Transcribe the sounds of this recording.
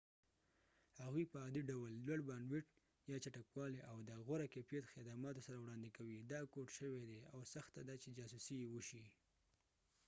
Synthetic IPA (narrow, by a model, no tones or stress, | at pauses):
haɣwipəad̪iɖawlːwaɽbɑnwiʈ | jɑt͡ʃaʈakwɑleʔawd̪əɣʊɾakepjet̪xɪd̪amɑt̪osaɾawɽɑnd̪ɪkawid̪ɑkoʈʃəwed̪eawsaxt̪ad̪at͡ʃed͡ʒɑsusijewəʃi